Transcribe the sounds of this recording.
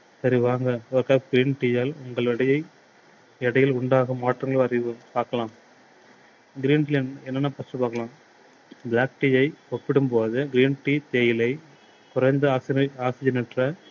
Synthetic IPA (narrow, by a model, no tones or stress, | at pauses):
sɐɾiʋaːŋɡɐɐɾkːaːɡɪɾiːnʈiːjaːlʊŋɡɐɭɛɽɐjɐɪ | ɛɽɐjɪlʊɳɖaːɣɐmaːʈrɐŋɡɐɭɐɾɪʋɯpaːɾkɐlãːm | ɡɪɾiːnʈilɛnɛnːɐnːɐpɐsɯpaːɾkɐlãːm | blaːk̚ʈiːɐɪɔʈ̚pɪɽɯmpoːðɯɡɪɾiːnʈit̪ejɪlɐɪ | kʊɾɐɪnd̪ɐaːksɪaːksɪd͡ʒɐnɪʈrɐ